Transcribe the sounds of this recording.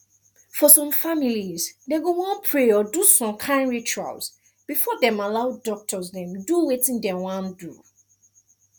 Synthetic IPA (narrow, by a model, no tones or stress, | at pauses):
fɔsɔ̃mfamilizdeɡowãnpʰɹeɔdusɔ̃mkʰãɪ̃nɹit͡ʃua̰ls | b̥ifɔdɛ̃malaʊdɔk̚tʰɔzdɛ̃mduwetĩndɛwãndṵ